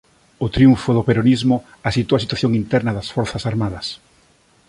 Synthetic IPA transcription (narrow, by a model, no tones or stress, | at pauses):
ʊt̪ɾiuɱfʊðʊpeɾonizmʊ | asit̪uɐs̬it̪waθjoŋint̪ɛɾnɐðɐsfɔɾθɐsaɾmaðɐs